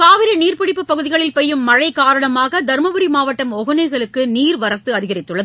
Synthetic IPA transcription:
kaːʋɪɾɐniːrpɪɽɪpːɯpːɐɣɯðɪɣɐɭɪlpɐjːɯmːɐɻɐɪkaːɾɐɳɐmaːɣɐd̪ɐɾmɐʋɯɾimaːʋɐʈːɐmɔɣɯnɐɪɣɐɭɯkːɯniːɾʋɐɾɐt̪ːɯɐðɪɣɐɾɪt̪ːɯɭːɐðɯ

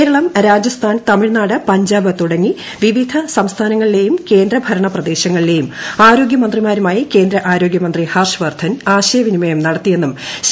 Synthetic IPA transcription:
ɾɐɭɐmɾaːd͡ʑjɐst̪ʰaːnt̪ɐmiɻnaːɽɨpɐɲd͡ʑaːbɨt̪uɽɐŋːi | ʋiʋid̪ʱɐsɐmst̪ʰaːnɐŋːɐɭile̞jumke̞ːnd̪ɾɐbʱɐɾɐɳɐprɐd̪e̞ːɕɐŋːɐɭile̞jumaːɾo̞ːɡjɐmɐnd̪rimaːɾumaːjike̞ːnd̪ɾɐʔaːɾo̞ːɡjɐmɐnd̪rihɐrʂʋɐrd̪ʰʱɐnaːɕɐjɐʋinimɐjɐmnɐɽɐt̪ːije̞nːum

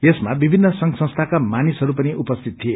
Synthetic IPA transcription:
jesmabibʱinːʌsʌŋɡsʌ̃st̪ʰakamanisɦʌɾupʌniʔupʌst̪ʰit̪̚t̪ʰie

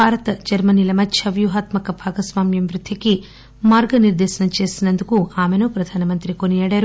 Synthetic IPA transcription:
bʱaːɾɐt̪ɐd͡ʒɐɾmɐnilɐmɐtːʃʰɐʋjuɦaːt̪mɐkɐbʱaːɡɐsʋaːmjɐmɾud̪ʱikːe | maːɾɡɐniɾd̪eːʃɐnɐt͡ʃeːsinɐnd̪ukuːaːmenupɾɐd̪ʱaːnɐmɐnt̪ɾikonijɐɽeɐɾu

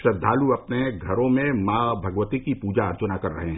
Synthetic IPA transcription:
ʃɾɐd̪ʱːaːluɐpneɡʱɐɾõmẽmaːbʱɐɡʋət̪ikipuːd͡ʒaɐɾt͡ʃʊnakɐɾːɐ̰ɦeɦ

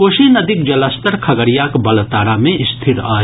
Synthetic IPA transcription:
koːʃinəd̪ʱik̚d͡ʒɐləst̪əɾkʰəɡəɾijakbɐlt̪aːɾamẽɪst̪ʰiɾa̰ː

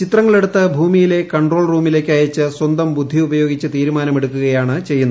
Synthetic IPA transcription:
t͡ɕit̪rɐŋːɐɭe̞ɽut̪ːɨbʱuːmijile̞kɐɳɖro̞ːɭruːmile̞ːkʲːaːjɐt͡ɕːɨswɐnd̪ɐmbud̪ʱːiubɐjo̞ːɡit͡ɕːɨt̪iːɾumaːnɐme̞ɽukːuɣɐjaːɳɨt͡ɕe̞jːunːɐ

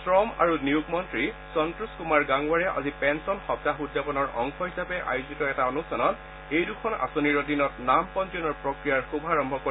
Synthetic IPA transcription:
sɹɔma̰ɹuniukmɔntɹi | sɔntɹuskumaɹɡaŋwaɹɛʔa̰zipɛnsɔnxɔp̚taxudːapɔnɔɹɔ̰ŋxɔɦisapɛʔa̰juzitɔɛtaonustanɔt | ejdukʰɔna̰soniɹodinɔtnampɔnzɔnɔɹpɹokɹijaɹxubʱaɹɔmbʱɔko

